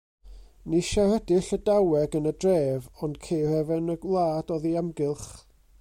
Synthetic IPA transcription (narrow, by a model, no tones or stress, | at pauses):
niʃahɛdɪɬədawɛɡənədreːvɔnd̥kʰejrɛvɪnəɡlˠaːdɔðiamɡɪlˠχ